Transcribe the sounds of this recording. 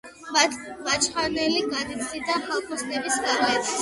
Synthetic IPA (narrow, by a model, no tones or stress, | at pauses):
mat̪ʰvat͡ʃʰχanɛliɡad̪it̪sʰʼid̪aχalˠkʰmɔsnɛbisaʁlɛt̪s